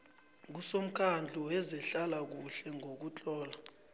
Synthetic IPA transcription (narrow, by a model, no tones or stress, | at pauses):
k̬usom̩kʰand͡ɮʱuɛzɛɬalak̬uɬɛŋok̬ut͡ɬʼɔːla